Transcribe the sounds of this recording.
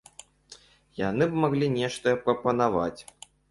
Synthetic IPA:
janɨbmaɣlʲinʲɛʂt̪ɐɛpɾɐpɐnava̰t͡sʲ

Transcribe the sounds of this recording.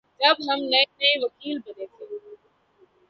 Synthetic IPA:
d͡ʒɐbɦɐmnɐːneʋɐkiːlbɐnẽːt̪ʰeː

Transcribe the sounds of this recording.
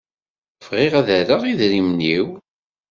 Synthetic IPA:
fʁɪʁæðæɾəʁiðɾimniw

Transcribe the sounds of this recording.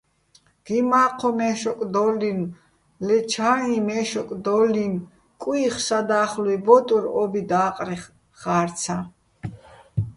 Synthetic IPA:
ɡ̥imaːqʰɔmɛʃɔkʼd̪ɔlin | lɛt͡ʃʰanimɛːʃɔkʼd̪ɔlin | kʼwːχsad̪aːχlwibɔt̪ʼuɾɔbid̪aːqʼɾɛ | χaːɾt̪t͡sʰa

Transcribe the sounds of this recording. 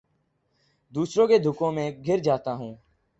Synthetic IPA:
d̪uːsɾõːkeːd̪ʱʊkõːmẽːɡʱɪɾd͡ʒaːt̪aːɦũː

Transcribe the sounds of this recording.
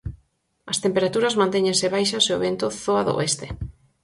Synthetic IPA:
ɐst̪empeɾat̪uɾɐzmãnt̪eɲẽnsɪβ̞ajʃɐseoβent̪ʊθoaðo̰est̪e̥

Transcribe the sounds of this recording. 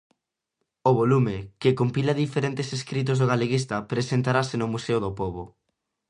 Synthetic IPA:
oβolumɪkɪkompilaðifeɾent̪eseskɾit̪̬ozðoɣaleɣist̪ɐpɾesent̪aɾasenʊmuseoðopoβo

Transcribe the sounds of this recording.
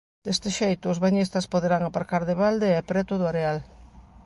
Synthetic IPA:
d̪est̪eʃejt̪ʊːzβaɲist̪ɐspoðeɾaŋapaɾkaɾðeβald̪eɛpɾɛt̪ʊðʊaɾeal

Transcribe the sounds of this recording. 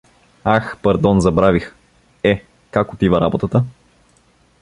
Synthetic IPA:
axpɐɾd̪ɔnzɐbɾavix | ɛ | kakot̪ivɐɾa̰bot̪ət̪ə

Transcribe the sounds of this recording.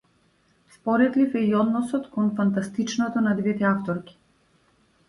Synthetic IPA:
spɔɾɛt̪lifɛiɔd̪nɔsɔt̪kɔnfant̪ast̪it͡ʃnɔt̪ɔnad̪vɛt̪ɛaft̪ɔɾkʲi̥

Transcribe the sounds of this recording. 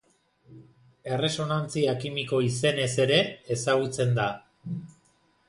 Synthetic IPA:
e̞re̞so̞nant͡siakimiko̞ise̞ne̞se̞ɾe̞ːsaɣ̞ut͡se̞nd̪a

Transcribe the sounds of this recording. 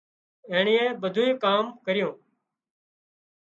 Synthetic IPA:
eːɳiːẽːɓəd̪ʱuːĩːkaːmkəɾɪjõː

